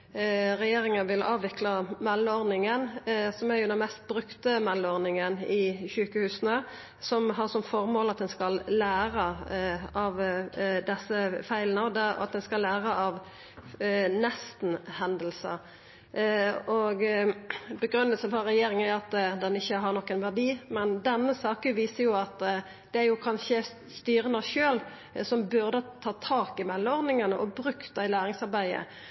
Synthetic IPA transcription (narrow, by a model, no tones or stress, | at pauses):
ɾɛjeːɾɪŋɑnʋɪlɑːʋʋɪklɑmɛlːəɔɾnɪŋənsɔmæɾjʊd̪ɛnmɛst̪̚bɾʉkt̪əmɛlːɔɾnɪŋənɪçʉːkəhʉːsnə | sɔmɦɑɾsɔmfɔɾmoːlɑt̪̚d̪ɛnskɑlːæːɾə | ɑʋd̪ɛsːəfæɪlənɑd̪ɛ̰ɑ̰t̪̚d̪ɛnskɑlːæːɾəʔɑʋ | nɛst̪n̩hɛnd̪əlsə̰ | ɔɡ | bəɡɾʉnːəlsənfɔɾɛjeːɾɪŋəæɾjʊɑt̪d̪ɛnɪçːəɦɑɾnɔkːənʋæʁd̪iːmɛnd̪ɛnːəsɑːkəʋiːsəjʊɑt̪ | d̪̥ɛæɾjʊkʰɑnʃə | st̪yːɾənɑʃøːl | sɔmbʉʁd̪ət̪ʰɑːt̪ʰɑːkɪmɛlːmɔʁd̪nɪŋənəʔɔbɾʉkt̪ɑɪlæːɾɪŋsɑɾbæɪə̰